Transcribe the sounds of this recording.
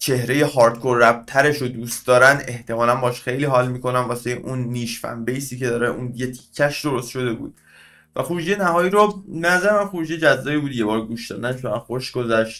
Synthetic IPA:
t͡ʃʰe̞hɾe̞je̞hɒːɾt̪kʰoɾːæb̚t̪ʰæɾe̞ʃod̪uːst̪̚d̪ɒːɾænd̪e̞ht̪e̞mɒːlænbɒːʃxejliːɦɒːlmiːko̞nænvɒːsejeʔunːiːʃfæ̰nbejsiːce̞d̪ɒːɾeʔunjet̪ʰi̥kʰːæʃd̪oɾost̪ʃo̞d̪e̞bṵːd̪̥ | væχuɾud͡ʒijenæɦɒːjiːɾoeæzæɾemænxuɾud͡ʒijed͡ʒæzːɒːjiːbuːd̪je̞bɒːɾɡuːʃd̪ɒ̰ːd̪ænt͡ʃʰonænxoʃɡozæʃt̪

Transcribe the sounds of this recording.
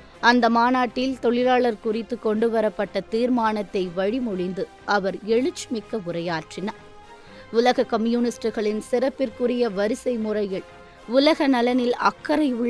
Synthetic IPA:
ɐnd̪ɐmaːnaːʈːɪlt̪ɔɭɪlaːɭɐɾkʊrɪt̪ːɯkːɔɳɖɯʋɐɾɐpːɐʈːɐt̪iːɾmaːnɐt̪ːɐɪʋɐɻimɔɻɪnd̪ɯ | ɐʋɐɾɛɻɯt͡ʃːmɪkːɐʊrɐjaːʈrɪnɐ | ʊlɐɣɐkɐmjuːnɪsʈɯɣɐɭɪnsɪrɐpːɪrkɯrɪjɐʋɐɾɪsɐɪmʊrɐjɪɭ | ʊlɐɣɐnɐlɐnɪlɐ̰kːɐɾɐɪʊɭː

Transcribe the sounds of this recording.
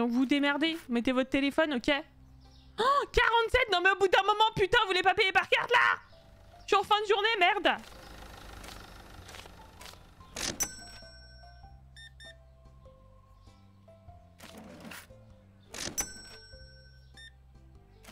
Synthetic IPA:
d̪ɔ̃kvud̪emɛʁd̪evumɛt̪evɔt̪χt̪elefɔnokʲe | kaʁɑ̃t̪sɛt̪̚nɔ̃mɛobud̪ɛ̃mɔmɑ̃pyt̪ɛ̃vulepapejepaʁkʲaʁt̪la̰ | ʃiɑ̃fɛ̃d̪əʒuʁnemɛʁd̪

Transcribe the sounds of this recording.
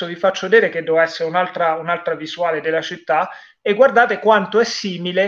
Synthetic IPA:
ovifat͡ʃːod̪iːɾek̟ed̪ːɛvɛsːeɾeunalt̪ɾaunalt̪ɾavizuaːled̪elːat͡ʃit̪ːa | eɡːward̪aːt̪ekwant̪oɛsːiːmile

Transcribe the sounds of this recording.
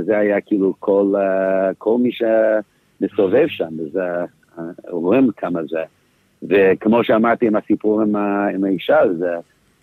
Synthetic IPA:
zɛhajakiːlukʰolkʰolmiʃɛ | mɨsovev̥ʃãmvəzɛ | oʁɪmkʰamazɛ | vɪkʰəmoʃɛamaʁt̪iɨmhasipʰuʁɪmaɪmaiʃazɛ

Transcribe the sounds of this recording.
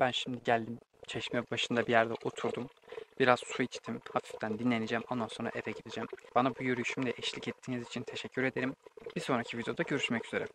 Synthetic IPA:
b̥ænʃimd̪iɟælʲd̪imt͡ʃʰeʃmɛbaʃɯnd̪abijæɾd̪ɛʔot̪ʰuɾd̪um | b̥iɾaz̥suit͡ʃt̪ʰimhafi̥ft̪ʰænd̪inlʲe̞nid͡ʒæmo̞nd̪anso̞nɾa̰ʔevɛɟid̪id͡ʒæmb̥anabujøɾyyʃymd̪lʲɛʔɛʃlʲicɛt̪ʰːiːnizit͡ʃʰint̪ʰe̞ʃɛcʰːyɾe̞d̪e̞ɾimb̥iso̞nɾacʰivid̪ejo̞d̪aɟø̞ɾyʃmɛcyz̥e̞ɾɛ̰

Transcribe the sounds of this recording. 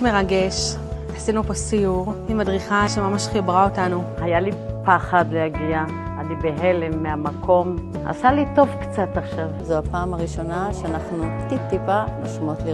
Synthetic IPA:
meʁaɡe̞ʃ | asinuposijuʁimadʁiχaʃemamaʃχibʁao̞tanuhajalipaχad̪lehaɡia | alibeɦelemːeamakʰo̞m | a̰salito̞vkt͡sataχʃavzoapaːmaʁiʃo̞naʃeanaχnut̪it̪ːipanoʃmot̪li

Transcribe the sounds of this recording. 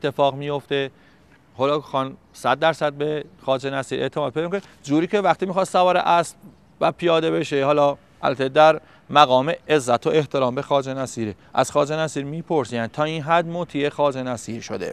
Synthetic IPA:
et̪ʰːe̞fɒːɣmijo̞ft̪e̞ | holɒːkxɒn | sæd̪̚ːæɾsæd̪̚bexɒːd͡ʒenæsiːɾʔe̞ʔt̪ʰemɒːd̪pʰed̪mikod͡ʒuːɾiːkʰevæxt̪iːmixɒːst̪sævɒːɾḛʔæsb | væpʰijɒːd̪e̞be̞ʃehɒːlɒ | ʔæ̰lbæt̪ʰed̪æɾ | mæɣɒːmeezːæt̪ʰoʔe̞ht̪ʰeɾɒːmbexɒːd͡ʒenæsiːɾe | ʔæ̰z̥xɒːd͡ʒenæsiːɾmiːpʰo̞ɾsiːæn̚t̪ʰɒːinɦæd̪mot̪ʰiexɒːd͡ʒenæsiːɾʃo̰d̪ḛ

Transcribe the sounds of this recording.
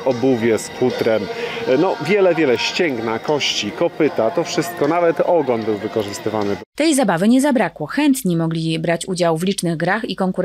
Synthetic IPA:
ɔbuvʲjɛsfut̪ɾɛmnɔvʲjɛlɛvʲjɛlɛɕt͡ɕɛŋɡnakɔɕt͡ɕikɔpɘt̪at̪ɔfʂɘst̪̚kɔnavɛt̪ɔɡɔnbɘwvɘkɔʐɘst̪ɘvanɘt̪ɛjzabavɘɲɛzabɾakwɔxɛnt̪ɲimɔɡlʲibɾat͡ɕud͡ʑawvlʲit͡ʂnɘɣɡɾaxikɔŋkuɾ

